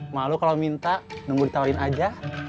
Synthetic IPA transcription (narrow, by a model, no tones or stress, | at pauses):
malukalamint̪aʔnuŋɡudit̪aaɾɪnad͡ʒa